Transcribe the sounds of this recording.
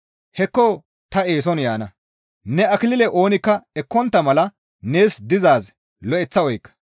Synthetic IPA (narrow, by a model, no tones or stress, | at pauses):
hɛkːo | t̪ɐe̞ːs̬ɔnjaːnɐ | nɛɐkɪlɪlɛʔo̞ːnɪkːɐɛkːɔnt̪ːɐmɐlɐ | ne̞ːsd̪ɪzaːz | lɔʔɛt͡sːɐɔjkːɐ̥